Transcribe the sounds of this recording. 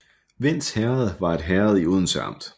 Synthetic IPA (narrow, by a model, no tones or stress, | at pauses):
ʋen̰̥shɛɐð̩ˠʋɑ̈e̝d̥ɦɛɐðˠiuð̞ˠn̩sɑ̰̈m̰d̥